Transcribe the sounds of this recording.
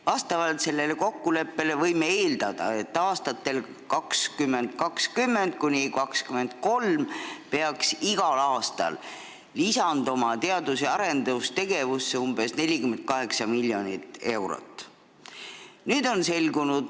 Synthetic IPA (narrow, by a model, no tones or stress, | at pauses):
vɑst̪ɑvɑlt̪se̞lːe̞le̞ko̞kːule̞pːe̞levɤjmeeːld̪̥ɑd̪̥ɑ̰e̞t̪ːˑɑːst̪ɑt̪ːˑe̞l | kɑkskymːe̞nd̪̚kɑkskymːe̞nd̪̚kunʲikɑkskyme̞nd̪̚ko̞lmpe̞ɑksiɡ̥ɑlɑːst̪ɑ̰lː | isɑnd̪o̞mɑt̪e̞ɑd̪useɑɾe̞nd̪ust̪e̞ɡe̞vusːeumb̥e̞sne̞lʲikyment̪̚kɑɦe̞ksɑmilʲːjo̞nit̪ːˑe̞wɾo̰t̪ːˑ | nyːd̪o̞nse̞lɡunud̪̥